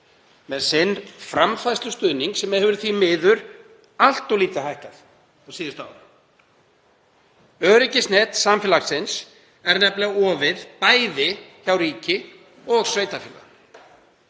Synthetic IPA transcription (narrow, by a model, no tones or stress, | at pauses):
mɛðsɪnːfɾamfajst̪ʏst̪ʏːniŋksɛmːɛðhɛvʏɾθvimɪːðʏɾ | al̥t̪ɔliːt̪aɦajhkaθ | asiːðɪst̪a̰w | œːɾɪcɪsnɛt̪samfɪlaksɪns | ɛɾnɛplɛɣaɔːvɪð̥paːjðɪçawɾiːcɪ | ɔɣsveːjt̪afila̰